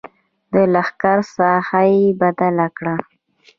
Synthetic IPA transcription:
d̪əlaxkaɾsɑhajebad̪alakɽa

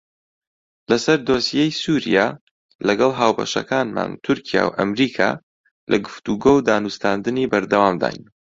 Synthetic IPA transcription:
lɐsɐɾd̪oːsijejsuːɾḭja | lɐɡɐlˠɦaːwbɐ̰ʃɐ̰kʰaːnma̰ːnt̪ʰʊɾcʰija̰ːwʔɐmɾiːkʰa̰ | lʔɐɡɨft̪uɡoːwd̪aːnust̪aːnd̪ɨniːbɐɾd̪ɐwaːmd̪a̰ːjn

